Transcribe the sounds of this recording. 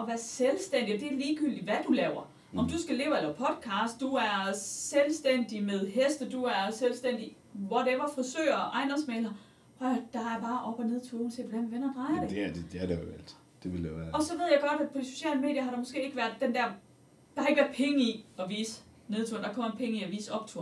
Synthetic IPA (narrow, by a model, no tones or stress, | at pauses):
ɒ̽ʋæɐselsd̥en̰did̥e̝æɐliːɡ̥yl̰d̥iʋæd̥ulɛːʊɐ | ʔɒ̽md̥usɡ̥æle̝ːʊɐelɐpʰɒ̽d̥ˠkʰɑ̈ːsd̥ːuæɐselsd̥en̰d̥imeð̞ˠɦesd̥əd̥uæɐselsd̥en̰d̥i | ʋɒd̥eeʋɐfɒ̽sø̰ːɐʔɑ̈ɪndɒ̽nsmeːlɐ | hɒd̥ɑ̈æɐb̥ɑ̈ːʔɒ̽b̥ɒne̝ðˠt͡sʰunsʰḛ̥ːʋɒd̥æ̰nmeʋenɐd̥ʁɑ̈ɪɐɐd̥ed̥æɐd̥ejo̰æl̰ʰi | d̥e̝ʋeloʋæːɐɒ̽sɒ̽ʋe̝ð̞̰ˠjɑ̈ɪɡ̥ɒ̽ɾ̥æd̥pʰɒ̽d̥iso̝̥ɕɛ̰ːləme̝̰ːdjɐɦɑɾ̥ɑ̈mo̽sɡ̥e̝̰ːe̝ɡ̥əʋæɐd̥ːend̥æɐ̰ | d̥ɑ̈e̝ɡ̥əʋæɐpʰeŋəiɒ̽ʋḭːsə | ne̝ð̞ˠt͡sʰuɐnd̥ɑ̈kʰɒ̽m̰ɐpʰeŋəiɒʋiːsəɒ̽b̥̚t͡sʰṵɐ